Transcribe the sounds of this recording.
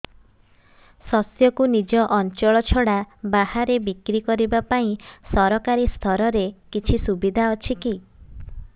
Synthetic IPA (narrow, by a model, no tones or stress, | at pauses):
sɔsjɔkunid͡ʒɔʔɔnt͡ʃɔɭɔt͡ʃʰɔɽabahaɾebikɾikɔɾibapaĩsɔɾɔkaɾist̪ʰɔɾɔɾekit͡ʃʰisubid̪ʱaɔt͡ʃʰiki